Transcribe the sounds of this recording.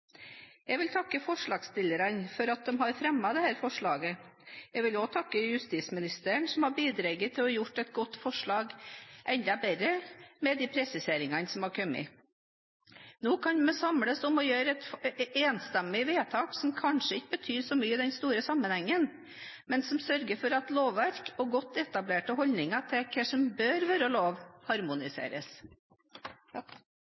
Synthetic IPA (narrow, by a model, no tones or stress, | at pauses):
jɛʋɪlt̪ʰɑkːəfɔʂɭɑːɡst̪ɪləɾɑnfɔɾɑt̪̚d̪ɛmɦɑɾfɾɛmːɑd̪ɛhæːɾfɔʂɭɑːɡəjɛʋɪlɔt̪ʰɑkːəjʉst̪iːsmɪnɪst̪æəɳsɔmhɑɾbiːd̪ɾɛɡət̪ʰːɪlɔjʊʈːɛt̪̚ɡɔt̪ːfɔʂɭɑːɡʔɛnd̪ɑbɛɾəmɛd̪ipʰɾɛsɪseːɾɪŋɑnsɔmhɑɾkʰœmːɪ̰ | noːkʰɑnmɛsɑmləsɔmɔjøːɾəɛt̪eːnst̪ɛmːɪʋeːt̪ʰɑːksɔmkʰɑnʂəɪçəbət̪ʰyːɾsɔmyːəd̪ɛnst̪uːɾəsɑmːənhɛŋːən | mɛnsɔmsœɾɡəɾfɔɾɑt̪loːʋːæɾkɔɡɔt̪ːɛt̪ɑbleːʈəɦɔlnɪŋɑt̪ʰɛkʰəʂɔmbøːɾʋøːɾəloːʋhɑɾmʊnɪsḛːɾəs